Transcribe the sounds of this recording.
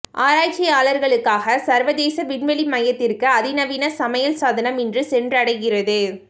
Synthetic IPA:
ʔaːɾaːt͡ʃɪjaːlɐɾɣɐɭɯkːaːɣɐsɐɾʋɐðeːsɐʋɪɳʋɛɭimɐjɐt̪ːɪrkɯɐðɪnɐʋɪnɐsɐmɐjɐlsaːðɐnɐmɪndrɯsɛndrɐɽɐɪɣɪrɐðɯ

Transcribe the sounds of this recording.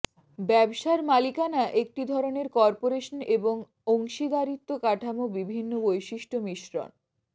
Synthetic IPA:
bɛbʃaɾmalikanaʔek̚ʈid̪ʱɔɾoneɾkɔɾpoɾeʃoneboŋ | oŋʃid̪aɾit̪ːokaʈʰamobibʱinːobojʃiʃʈomiʃɾo̰n

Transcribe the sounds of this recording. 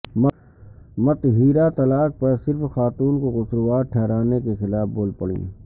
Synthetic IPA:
m | mɐt̪ɦiːɾat̪ɐlaːk̚pɐɾsɪɾfxaːt̪uːnkoɣʊsɾuwaːɾʈʰɛːɾaːnekexɪlaːfboːlpəɽḭ̃ː

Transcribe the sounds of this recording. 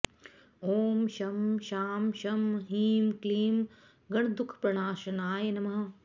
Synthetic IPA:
oːmʃɐmʃaːmʃɐmɦiːmkliːm | ɡɐɽ̃d̪ukʰpɾɐɳaːʃɐnaːjɐnɐmɐɦɐ̆

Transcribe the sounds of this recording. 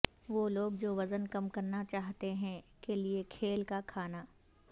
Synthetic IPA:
ʋoːloːɡ̚d͡ʒoːʋɐzənkɐmkɐɾnat͡ʃaːɦt̪eɦɛ̃keliekʰeːlkakʰaːnaː

